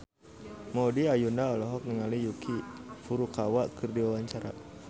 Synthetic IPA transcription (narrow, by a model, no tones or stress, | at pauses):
mɔdiajundaɔlɔɦɔk̚nəŋalijukʰifuɾukawakɨrdiwawaɲt͡ʃaɾa̰